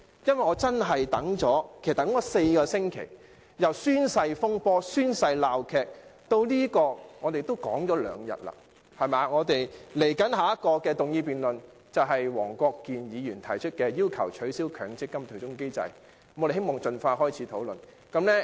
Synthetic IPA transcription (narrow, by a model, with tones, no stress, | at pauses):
jɐ˥nwɐ˨jŋɔː˨˧t͡sɐ˥nɦɐ˨jt̪ɐ˨˥ŋt͡ʃɔː˨˥kʰe˩st̪ɐ˨˥kɔː˨˥se˧jkɔː˧sɪ˥ŋkʰḛ˨˩j | jɐ˨˩wsyː˥nsɐ˧jfʊ˥ŋpɔː˥syː˥nsɐ˧jlaː˨wkʰɛː˨˧k̚t̪o˧wliː˥kɔː˧ŋɔː˨˧t̪e˨jt̪o˥wkɔ̰ː˨˥ŋɔː˨˥lœ̰ː˨˧ŋjɐ̰˨˩t̚la̰˨ | hɐ˨jmaː˨ŋɔː˨˧t̪e˨jle˨˩jkɐ˨˥nɦaː˨˧jɐ˥t̚kɔː˧kɛː˧t̪ʊ˨˩ŋjiː˧piː˨nlɵ˨˩n | t͡sɐ˨wɦɐ˨jwɔ̰ː˨˩ŋkʷɔː˧kːiː˨njiː˨˧jyː˨˩nt̪ʰɐ˨˩jt͡ʃʰɵ˥t̚kɛː˧jiː˥wkʰɐ̰˨˩wt͡ʃʰɵ˨˥ɥsiː˥wkʰœː˨˥ŋt͡sɪ˥kːɐ˥mt̪ʰɵ˨˩t͡sʊ˥ŋke˥jt͡sɐ̰˧j | m˨˧ɾe˨he˥jmɔː˨˩ŋt͡ʃɵ˨nfaː˧ɦɔː˥jt͡sʰiː˨˥t̪ʰo˨˥wlɵ̰˨n | kɐ˨˥mlɛː˥